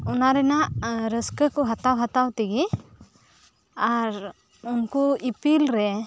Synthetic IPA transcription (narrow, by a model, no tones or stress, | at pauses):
ɔnaɾɛnaʔɾəskəkɔɦat̪awɦat̪awt̪iɡi | aɾ | unkuipilɾɛ